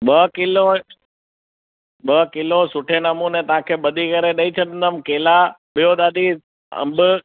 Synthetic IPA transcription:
ɓɐkɪlo | ɓəkɪlosʊʈʰenəmunet̪ɐʋãkʰeːɓɐd̪ʱikɐɾeɗəit͡ʃʰəɗ̪ə̃nd̪əmkeːlaɓijoɗ̪aːd̪i | ə̰̃mbʊ

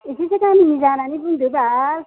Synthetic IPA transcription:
esisekaninizananibund̪ubal

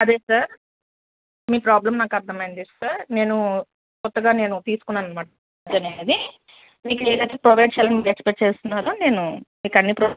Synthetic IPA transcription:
ɐd̪e̞ːsaɾ | miːpɾaːblɐmnaːkɐɾd̪ʱɐmɐjind̪isaɾne̞ːnu | kɔt̪ːɐɡaːne̞ːnut̪iːsu̥kunːanɐmaː | d͡ʒɐneːd̪i | miːkleːd̪ɐjt̪eːpɾoʋɐjɖ̚t͡ʃɛːlɐnɐmiːkekspeʈ̚t͡ʃeːst̪unːaːɾoːne̞ːnumiːkɐnːipɾo

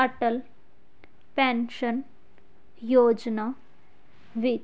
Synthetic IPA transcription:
ɐʈəl | pɛ̃nʃən | joːd͡ʒna | ʋi

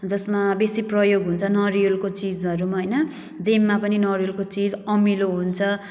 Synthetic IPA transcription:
d͡zʌsmabesiprʌjoɡʱɦunt͡sʰʌnʌriolkot͡sid͡zbʌɾumaɦʌjnʌ | d͡zemːapʌninʌrijolkot͡sid͡zʌmiloɦunt͡sʰʌ

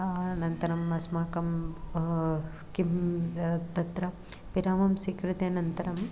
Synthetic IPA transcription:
nɐnt̪ɐɾɐmɐsmaːkɐm | kim | t̪ɐt̪ɾɐ | piɾaːmɐmsikɾut̪enɐnt̪ɐɾɐm

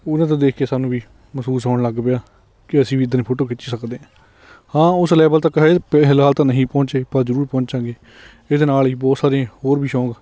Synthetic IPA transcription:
ʊnãt̪ãːd̪eːkʰeːsaːnũːʋiː | məsuːsoːɽləɡpejaː | kɪəsĩːʋiːɪd̪ənipʰoːʈoːkɪt͡ʃːiːsəkd̪eːãː | hãːʊslɛːbəlt̪əkːɦpɛɦlɦaːlt̪ãːnəɦĩːpɔ̃ːt͡ʃeːpəɾzəɾuːɾpɔ̃ːnt͡ʃãːɡeː | ɪd̪eːnaːliːbɔːt̪saːɾeãːhoːɾbiːʃɔ̃ːɡ

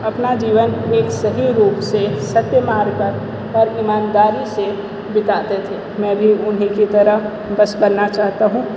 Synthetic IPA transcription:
ɐpnad͡ʒiːʋəneːksɐɦiɾuːpsesɐt̪jəmaːɾpɐɾ | ɔːɾimãːnd̪aːɾise | bɪt̪aːt̪et̪ʰeːmɛ̃ːbʱiʊnɦĩkit̪ɐɾə | bɐsbɐnːat͡ʃaːɦt̪aɦũː

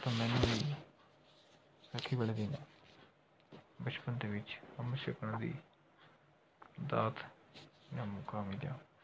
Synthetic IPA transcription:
t̪ãːmɛ̃ːnũːiː | səkʰiːbəled̪eːnaː | bət͡ʃpənd̪eːʋɪt͡ʃhəmʃəkəɳd̪ḭː | d̪aːt̪ | naːmʊkaːmiːla̰ː

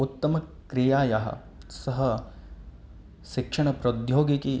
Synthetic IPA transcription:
ut̪ːɐmɐkɾijaːjaɦɐ̰ | sɐɦɐ | ʃikʂɐɳɐpɾɐd̪joːɡiki

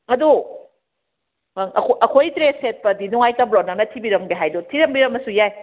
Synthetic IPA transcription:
ɐdu | aŋɐkʰoʔɐkʰojtɾeset̚pɐdinuŋajtɐblɔt̚nɐnɐtʰibiɾɐmɡeɦajdotʰiɾɐmbiɾɐmɐsujaj

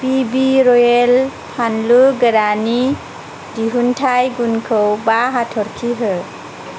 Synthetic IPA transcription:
pibiɾɔjelpʰanluɡəɾani | diɦuntʰajɡunkʰɯwbaɦatʰɔɾkʰiɦɯ

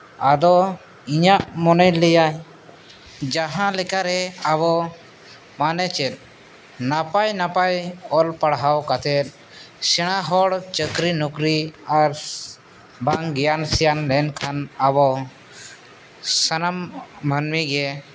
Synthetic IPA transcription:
ad̪ɔ | iɲaʔmɔnɛjlɛjaj | d͡ʒaɦãlɛkaɾɛaβɔ | manɛt͡ʃɛt̪̚ˀ | napajnapajɔlpaɽɦawkat̪ʰɛt̪̚ | sɛɽ̃aɦɔɽt͡ʃəkɾinɔkɾiaɾ | baŋɡɛjansɛjanlɛnkʰanabɔ | sənambʱənmiɡɛ

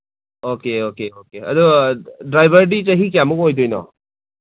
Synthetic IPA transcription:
okeokeokeɐ̰dudɾajbʱɐɾdizɐɦik̬ijamukojdɔjnɔ̰

